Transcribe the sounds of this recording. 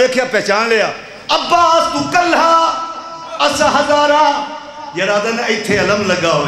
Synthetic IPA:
eːkʰjaːpɛːt͡ʃaːnleːaː | əbːaːt̪ukəlɦaː | əsãɦəzaːɾãː | jəɾaːd̪ənɪt̪ʰːeːələmləɡaːɦoː

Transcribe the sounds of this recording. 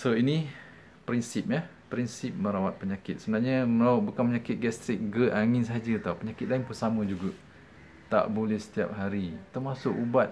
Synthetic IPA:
soini | pɾinsɪp̚jah | pɾinsɪp̚mə̃ɾawat̪̚pəɲakɪt̪̚səbənaɲəməlaʔbukanməɲakɪt̪̚ɡɛst̪ɾɪk̚ɡəaŋɪnsaɦad͡ʒət̪auwpəɲakɪt̪̚laɪnpunsamə̃d͡ʒuɡa | t̪a̰ʔbolɛhsə̥t̪ia̰p̚ɦaɾit̪ərmasʊkubat̪̚

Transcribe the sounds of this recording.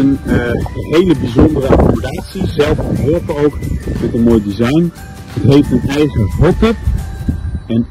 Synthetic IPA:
ən | ɦejləbizɔndərəa̰kdaːtsizɛlˠfɦɔlpəowktɔtənmoːjdizajn | ətɦejftənɛjχərɔtɪp | ɛn

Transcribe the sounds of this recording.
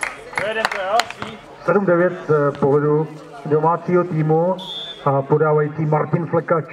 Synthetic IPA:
sɛdumdɛvjɛt̪poɦlɛdu | do̞maːt͡siːɦo̞t̪iːmuapodaːvajit͡siːmaɾcɪnflɛkat͡ʃ

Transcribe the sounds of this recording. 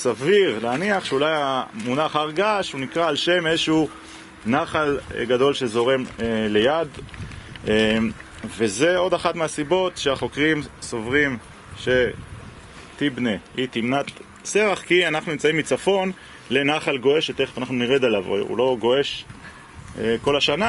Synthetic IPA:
saviʁneaniaχʃeulajamunaχaʁɡaʃunikʁaːlʃe̞mezeʃeu | naχalɡado̞lʃezo̞ʁemle̞jad̪ | e | veze̞o̞daχatmeasibo̞tʃeaχo̞kʁimso̞vʁim | ʃe̞ | t̪ibneit̪imnat̪ | seʁaχkianaχnunimt͡saimːit͡safo̞n | le̞naχalɡo̞eʃet̪eχvanaχnuniʁed̪alav̰ṵlo̞ɡo̞e̞ʃ | eko̞laʃana

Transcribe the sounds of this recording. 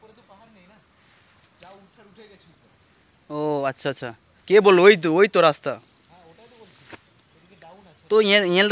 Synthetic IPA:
oɐtːʃʰaːtːʃʰa | kebolojt̪ojt̪oɾast̪a | t̪oɛ̃ĩɛ̃ld̪

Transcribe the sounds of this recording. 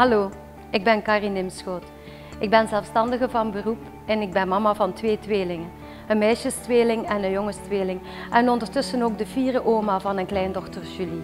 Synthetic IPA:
ɦɑloː | ɪɡ̚bɛnkɑːrinɪmsxoːt | ɪɡ̚bɛnzɛlˠfstɑndəɣəvɑnbərup | ɛnɪɡ̚bɛnmɑmaːvɑntʋeːtʋeːlɪŋən | ənmɛjʃəstʋeːlɪŋɛnənjɔŋəstʋeːlɪŋ | ʔɛnɔndəɹtɵsənoːɡ̚dəviːrəʔoːmaːvɑnənklɛjndɔxtərʒ̥yli

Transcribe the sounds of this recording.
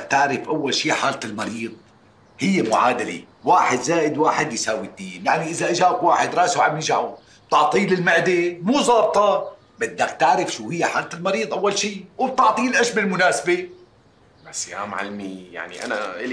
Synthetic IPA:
ak̚t̪aʕɾɪfʔawːalʃiːħaːlt̪ɪlmɑɾiːðˤ | hɪjːemʊʕaːd̪alḛ | waːħɪd̪zaːʔɪd̪waːħɪd̪jsaːwid̪ːiːnjaʕniʔɪzaʔad͡ʒaːʔkwaːħɪd̪ɾˤɑːsuʕamjɪʒaʕu | b̥̚t̪ɑʕt̪ˤiːlɪlmɪʕd̪emuːzˤɑːb̚t̪ˤɑ | bɪd̪ːak̚t̪aʕɾɪfʃuːhɪjːeħaːlt̪ɪlmɑɾiːd̪ˤʔawːalʃiːwb̚t̪ɑʕt̪ˤiːlʔaʃbɪlmʊnaːsabe | basja̰ːmʕɪ̰lmija̰ʕnḭʔa̰naʔɪ

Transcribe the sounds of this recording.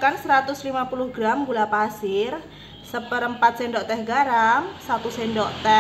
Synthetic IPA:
kansəɾat̪ʊslimapulʊhɡɾamɡulapasɪr | səpəɾəmpat̪̚sendɔʔt̪ɛhɡaɾamsat̪usendɔʔt̪ɛ

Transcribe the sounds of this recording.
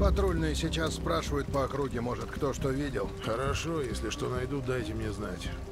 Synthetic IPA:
pɐt̪ɾolʲnɨjəsʲɪt͡ɕasːpɾaʂɨvəjʊt̪̚pəɐkɾuɡʲɪmo̞ʐɨt̪kt̪o̞ʂt̪o̞vʲidʲɪlˠxəɾɐʂo̞jesʲlʲɪʂt̪o̞nɐjd̪ud̪ajtʲɪmnʲezna̰tʲ

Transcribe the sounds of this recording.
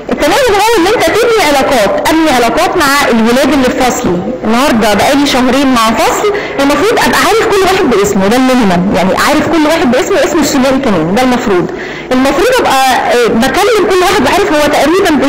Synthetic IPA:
ʔet̪ːæmæːmænhæːlʔenːʔent̪æt̪ebniʕelɑːqɑːt̪ʔæbniʕelɑːqɑːt̪maʕaʔelwelæːd̪elːilfɑsˤli | enːɑhɑɾˤd̪ˤɑbæʔæːliʃæɦɾeːnmaʕafɑsˤl | ʔelmɑfɾˤuːd̪ˤʔæbʔæʕaːɾefkolːwaːħed̪̚beʔesmiwed̪ælmohmæmjaʕniʔæ̰ʕaːɾefkolːwaːħed̪̚beʔesmiʔesmesːonːæːʔikæmæːnd̪ælmɑfɾuːd̪ˤ | ʔelmɑfɾˤuːd̪ˤʔæbʔæbækælːemkolːwaːħed̪weʕaːɾefhowːæt̪æʔɾiːbænb

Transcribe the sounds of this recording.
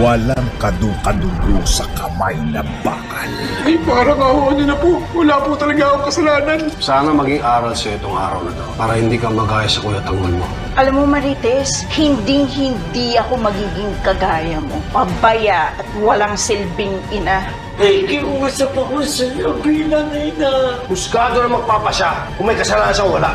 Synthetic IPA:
wɐlaŋkɐd̪ukɐd̪ʊɡosɐkɐma̰jnɐbakɐlɐjpaɾɐmɐhoʔɐninɐpowɐlaːput̪ɐlɐɡaɐkoŋkɐsɐlaːnɐnsaːnɐmɐɡiŋʔaːɾɐlsɐɛt̪oŋʔa̰ːɾɐ̰wnɐt̪opaːɾɐhɪnd̪iːkɐŋmɐɡaːjɐsɐkonɐt̪ɐŋonmo | ʔɐlamːomɐɾiːt̪ɛshɪnd̪iŋhɪnd̪iɐko̞mɐɡiːɡɪŋkɐɡaːjɐmo̞pɐbɐjaɐt̪̚wɐlaŋsɪlbɪŋʔɪna | ɐjkɪʔuːsɐpɐkosɐjobiːlɐŋɪnɐhʊskaːd̪onɐmɐɡ̚paːpɐʃa | kʊŋmɐjkɐsɐlaːnɐnʃakwɐla̰ʔ

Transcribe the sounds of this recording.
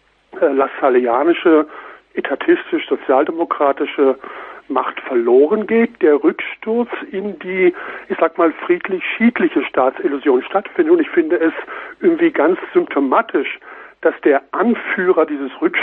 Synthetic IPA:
lasaliaːnɪʃəʔetʰatʰɪstɪʃz̥ot͡sjaːldemokʁ̥aːtɪʃəmaχtfɛɐloːʁənɡeːt̚d̥eːɐʁʏkʃtʊɐt͡sɪndiːʔɪçz̥aːkmaːlfʁ̥iːtlɪçʃiːtlɪçəʃtaːtt͡sɪlʊzjoːnʃtatfɪndətʊntɪçfɪndəɛsʔɪɐɡŋ̩tv̥iːɡant͡sz̥ʏmptʰomaːtʰɪʃd̥asd̥eːɐʔanfyːʁɐdiːzəsʁʏkʃ

